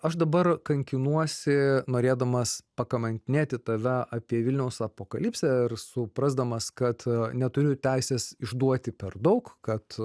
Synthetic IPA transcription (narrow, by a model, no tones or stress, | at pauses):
ɐʃd̪ɐbɐrkɐŋʲkʲɪnuɔsʲɪnoːɾʲeːd̪ɐmɐspɐkɐmɐnʲt̪ʲɪnʲeːt̪ʲɪt̪ɐʋʲɛɑːpʲiɛʋʲɪlʲnʲɛʊsɐpoːkɐlʲiːpʲsʲɛɪrsʊpɾɐzd̪ɐmɐskɐt̪nʲɛt̪ʊɾʲʊt̪ʲæɪsʲeːsɪʒd̪uɔt̪ʲɪpʲɛrd̪ɐʊkkɐt̪